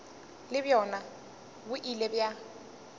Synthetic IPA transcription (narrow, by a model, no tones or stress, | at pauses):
lɪbjɔna | bʊʔilebja